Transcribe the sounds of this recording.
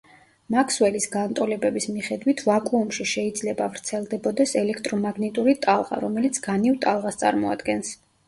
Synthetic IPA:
makʰswɛlisɡant̪ʼɔlɛbɛbismiχɛd̪wit̪ʰvakʼuːmʃiʃɛid̪zlɛbavɾt̪sʰɛlˠd̪ɛbɔd̪ɛsɛlɛkʰt̪ʼɾɔmaɡnit̪ʼuɾit̪ʼalˠʁa̰ɾɔmɛlit̪sʰɡ̥anivt̪ʼalˠʁast̪sʼa̰ɾmɔa̰d̪ɡɛns

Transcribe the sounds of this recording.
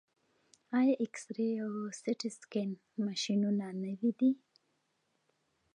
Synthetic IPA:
ajaʔɪksɾeawsɪʈɪskɪn | maʃinunanəwid̪i

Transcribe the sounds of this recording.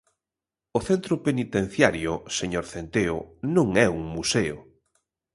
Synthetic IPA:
ʊθent̪ɾʊpenit̪en̟θjaɾjʊseɲoɾθent̪eʊ̰nõŋɛuŋmuseʊ̰

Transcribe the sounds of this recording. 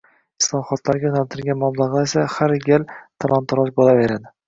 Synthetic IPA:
ɪslˠɒχɒt̪laɾɡʲaʊnalt̪ʰɪɾɡʲanmablˠaʁaesahaɾɡʲalt̪ʰalˠant̪ʰɒɾɒsbolave̞ɾad̪ɪ

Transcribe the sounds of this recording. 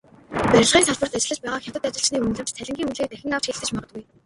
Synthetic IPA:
pæɾʲɪ̆ɮʁiːnsʰaɮt̪pə̆rt̪æt͡ɕɪ̆ɮə̆t͡ɕpæːʁaːxʲḁt̪ə̆t̪at͡ɕɪ̆ɬt͡ɕniːun̆ɮɘ̆mt͡ɕt̪ʰæɮʲɪ̆ŋɡʲiːŋunɮiːk̚t̪æxʲɪ̆ŋaw̥t͡ɕxiːɮɘt̪ɘ̆t͡ɕmaʁə̆ɡuj

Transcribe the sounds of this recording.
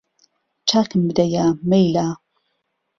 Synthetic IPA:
t͡ʃʰaːkɨmbɨd̪ɐjamejlaː

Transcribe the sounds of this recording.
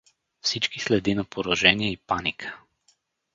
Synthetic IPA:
fsit͡ʃkislɛd̪inɐpoɾɔʒɛniɛipanikʰə̥

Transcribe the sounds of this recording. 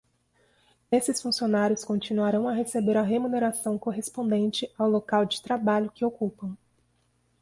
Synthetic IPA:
esɪsfũsionaɾjʊskõnt͡ʃinuaɾɐ̃w̃aɦesebeɾɐɦemuneɾasɐ̃w̃koɦespõnd̪ẽnt͡ʃɪawlokawd͡ʒɪt̪ɾabaʎʊkɪokupɐ̃w̃

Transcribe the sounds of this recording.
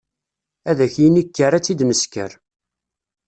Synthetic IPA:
æðæçjinikːəɾæt͡sːid̪məskə̰ɾ

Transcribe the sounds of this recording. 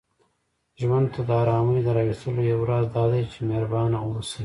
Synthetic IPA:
ʒwand̪̚t̪ʰad̪əɑːɾɑːməjd̪əɾɑwist̪əlojawɾɑzd̪ɑːd̪ajt͡ʃemeɾbɑːnaosi

